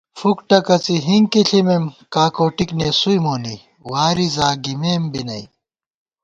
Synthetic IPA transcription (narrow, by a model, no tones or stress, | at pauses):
fukʈɐkɐt͡siɦiŋkiɬʰimemkaːkoːʈikneːsujmoːni | waːɾizaːɡimeːmbinɐ̰i